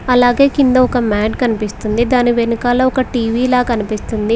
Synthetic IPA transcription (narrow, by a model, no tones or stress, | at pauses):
ɐlaːɡe̞ːkind̪ɐɔkɐmaːʈkɐnipist̪und̪id̪aːniʋenikaːloːɔkɐʈiːʋiːlaːkɐnipist̪und̪i